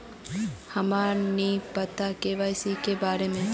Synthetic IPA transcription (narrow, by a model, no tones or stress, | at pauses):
hɐmaːnipət̪akeʋaːɪsikebaːɾemẽ